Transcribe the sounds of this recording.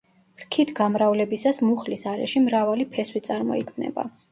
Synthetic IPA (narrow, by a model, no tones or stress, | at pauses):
ɾkʰit̪ʰɡamɾavlɛbisasmuχlisaɾɛ̰ʃimɾavalipʰɛswit̪sʼaɾmɔ̰ḭkʰmnɛ̰ba̰